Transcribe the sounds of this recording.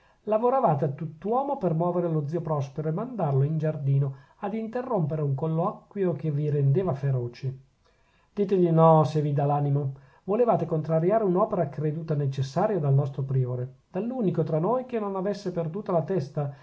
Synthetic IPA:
lavoɾavaːt̪eat̪ːut̪ːwɔːmopermwɔːveɾelod̪ziːopɾɔspeɾoemand̪arloind͡ʒard̪iːno | ad̪int̪erːompeɾeuŋkolːɔkːwjokeviɾend̪eːvafeɾoːt͡ʃe | d̪iːt̪edinɔsevid̪alaːnimo | volevaːt̪ekont̪ɾaɾjaːɾeunɔːpeɾakɾed̪uːt̪anet͡ʃesːaːɾjod̪alnɔst̪ɾopɾioːɾed̪̥alːuːnikot̪ɾanojkenːonavesːeperd̪uːt̪alat̪ɛst̪a

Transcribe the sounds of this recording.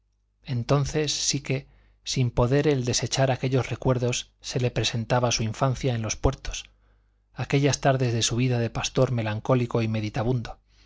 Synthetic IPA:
e̞nt̪o̞nθe̞sːike̞ | simpo̞ðe̞ɾe̞ld̪e̞se̞t͡ʃaɾake̞ʎo̞sre̞kwe̞ɾðo̞sːe̞le̞pɾese̞nt̪aβasuiɱfanθjae̞nlo̞spwe̞ɾt̪o̞̥s | ake̞ʎast̪aɾðe̞zðe̞suβ̞iðaðe̞past̪o̞ɾme̞laŋko̞liko̞ime̞ðit̪aβund̪o

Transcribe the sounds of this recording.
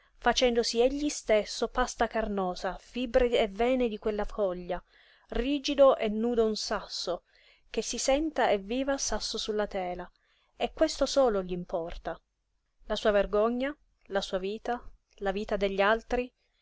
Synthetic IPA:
fat͡ʃɛnd̪osiɛʎːist̪esːopast̪akarnɔːzafibɾeevɛːned̪ikwelːafɔʎːa | riːd͡ʒid̪oʔenːuːd̪ounsasːo | k̟esːisɛnt̪aeviːvasasːosulːat̪ɛːla | ekːwest̪osɔːloʎimpɔrt̪a | lasuːaverɡɔɲːa | lasuːaviːt̪a | laviːt̪ad̪eʎːialt̪ɾi

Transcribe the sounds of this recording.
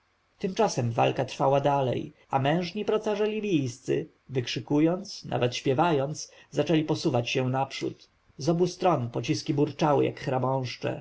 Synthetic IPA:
t̪ɘmt͡ʂasɛmva̰lkat̪ɾfawad̪alɛ̰j | amɛ̃w̃ʐɲipɾɔt̪saʐɛlʲibʲijst̪sɘ̰ | vɘkʂɘkujɔnt̪snʔa̰vɛt̪ɕpʲjɛvajɔnt̪szat͡ʂɛlʲipɔsuvat͡ɕɕɛ̃w̃napʂṵt̪ | zɔbust̪ɾɔnpɔt͡ɕiskʲibuɾt͡ʂawɘ̰jʔa̰kxɾabɔ̃w̃ʂt͡ʂɛ̰

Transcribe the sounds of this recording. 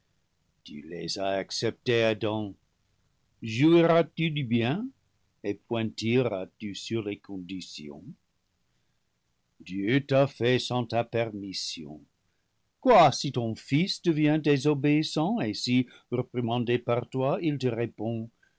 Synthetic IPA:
t̪y̰lḛzaaksɛp̚t̪ead̪ɑ̃ | ʒuiʁat̪ydybjɛ̃ | epwɛ̃t̪iʁa̰t̪ysyʁlekɔ̃d̪isjɔ̰̃ | d̪jøt̪afɛsɑ̃t̪apɛʁmisjɔ̰̃ | kwasit̪ɔ̃fisd̥̪əvjɛ̃d̪ezobeisɑ̃esi | ʁəpʁimɑ̃d̪epaʁt̪wailt̪əʁepɔ̃

